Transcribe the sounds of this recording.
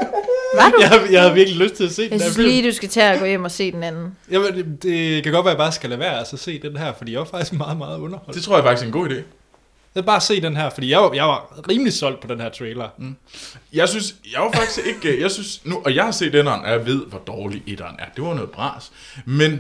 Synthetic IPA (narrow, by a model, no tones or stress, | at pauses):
djɑhajɑ̈ɪhæʋiɐɡ̥liløsd̥̚t͡sʰe̝æse̝̰ːdesnæɐ̥liːd̥usɡ̥æt͡sʰɛæɡ̥ɔ̰̽ːjem̰ɒse̝̰ːd̥enænn̩jad̥e̝kʰæɡɒ̽d̥ʋæɐjɑb̥ɑːsɡ̥ælæʋæɐælsɒse̝̰ːd̥enɦæɐ̰fɒ̽d̥ḭːjɑɪʋɑ̈fɑ̈ɡ̥d̥i̥sɡ̥mɑ̈ːð̞̩ˠmɑ̈ːð̞̩ˠɔ̽nɐhɒ̽ld̥et͡sʰʁo̝ɐjɑ̈fɑ̈ɡ̥isɡ̥enɡ̥o̰ːide̝̰ː | jɑbɑ̈ːse̝̰ːd̥enɦæɐ̰fɒdḭːjaɪʋɑ̈jɑ̈ɪʋɑ̈ʁiːmlisɒ̽l̰d̥̚pʰɒ̽d̥enhæɐ̰t͡sʰʁɛːlɐ | jɑ̈ɪsynsjɑɪʋɑ̈fɑ̈ɡ̥i̥sɡ̥e̝ɡ̥jɑ̈ɪsynsnuʔɒjɑ̈ɪhɑ̈se̝̰ːd̥enɐnʔæɐʋe̝ð̞̰ˠʋɒd̥ɒːliʔed̥ɐːnæɐd̥e̝ʋɑnɔ̽ːð̩ˠb̥ʁɑ̰̈ːs | men